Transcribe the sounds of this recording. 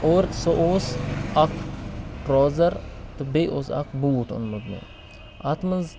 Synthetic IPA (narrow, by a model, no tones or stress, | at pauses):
oːɾsoʔoːsɐkʰʈɾoːzɐɾt̪ubeʔoːsɐ̰kʰbuːʈʊ̰nmud̪nḛ | at̪mɐnz